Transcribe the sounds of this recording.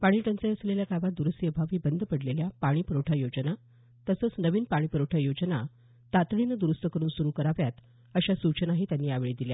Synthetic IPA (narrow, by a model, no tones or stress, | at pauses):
paɽ̃iːʈənt͡səəsleljakaʋat̪̚d̪uɾəsjəbʱaʋiːbənd̪ʱpəɽleljapaɽ̃iːpəɾoʈʰajod͡ʑəna | t̪əsəːt͡snəʋiːnpaɽ̃iːpəɾoʈʰajod͡ʑəna | t̪at̪ɭinəd̪uɾust̪əkəɾuːnsuɾuːkəɾaʋjat̪ | əɕasut͡ɕənaɦiːt̪janːiːaʋeɭid̪ilja